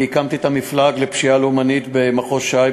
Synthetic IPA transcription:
ikamt̪it̪amiflaɡlepʃialumanit̪bemaχo̞ʃaj

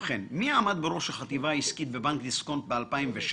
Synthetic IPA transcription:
χenmiaːmad̪̚beɾo̞ʃhaχat̪ivaiskit̪bebaŋkd̪iskont̪bealpaimveʃ

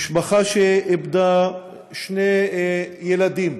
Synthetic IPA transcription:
ʃbaχaʃeebd̪a | ʃne | jelad̪im

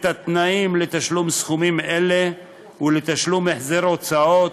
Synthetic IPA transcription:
t̪at̪naimlet̪aʃlumsχumimele | ulet̪aʃlumeħzeɾot͡sao̞t̪

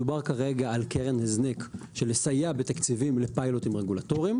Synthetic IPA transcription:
ubaʁkaʁe̞ɡaːlkeʁenheznekʃelesajabet̪akt͡sivimle̞pajlo̞t̪imʁeɡulat̪o̞ʁim

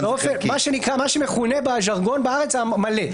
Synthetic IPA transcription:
beofenmaʃenikʁamaʃemeχune̞baʒaʁɡo̞nbaaʁet͡samale

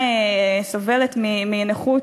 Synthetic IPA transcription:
sove̞let̪miminaχu

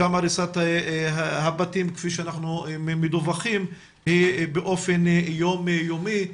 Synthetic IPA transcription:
amaɾisat̪ahabatimke̥fiʃeanaχnumed̪uvaχim | hibeʔo̞fenjomjomi

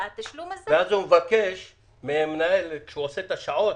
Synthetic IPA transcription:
at̪aʃlumasveazumevakeʃ | meemnaelkʃeuoset̪aʃaʕot

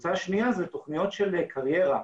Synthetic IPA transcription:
t͡saʃniazet̪o̞χnijo̞tʃelkʰaʁje̞ʁa

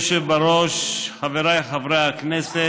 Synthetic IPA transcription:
ʃebaɾoʃχaveɾajχavɾejhaknɛse

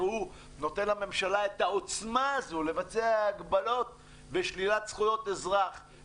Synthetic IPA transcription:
hu | no̞t̪enlhame̞mʃalaet̪ao̞t͡smaːzulevat͡seaːɡbalo̞t̪̚ | veʃlilat̪sχujo̞t̪ezʁaχ

